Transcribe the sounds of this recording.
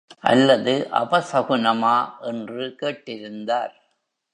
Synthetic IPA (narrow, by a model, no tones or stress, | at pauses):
ʔɐ̰lːɐðɯʔɐ̰bɐsɐɣɯnɐmaːʔɛndrɯkeːʈːɪɾɯnd̪aːɾ